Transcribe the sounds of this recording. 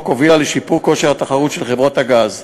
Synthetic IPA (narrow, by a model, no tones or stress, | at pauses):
ko̞vilaleʃipuʁko̞ʃeʁhat̪aχaʁut̪ʃelχevʁothaɡaz